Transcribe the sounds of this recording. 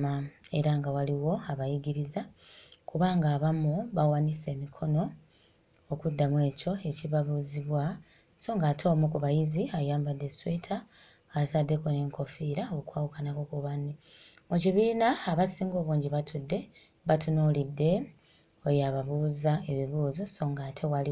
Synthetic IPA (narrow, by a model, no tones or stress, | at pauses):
ae̞ɾaŋɡawaliwo̞aβajiɡiɾiza | kuβaːŋɡaːβamuβawanise̞ːmikʰo̞no̞ː | kudːamwe̞ːco̞e̞ciβaβuziβwa | so̞ŋɡaːtʰo̞ːmukuβajiziajaːmbadːe̞sweːtʰa | asadːe̞kone̞ŋko̞fiːɾaokwaːwukanakokuβanːi | muciβiːnaːβasiːŋɡo̞ːβuːɲɟiβatʰudːe̞ | βatunuːlidːe̞ | ojaːβaβuːzae̞βiβuːzoso̞ːŋɡaːtʰe̞wali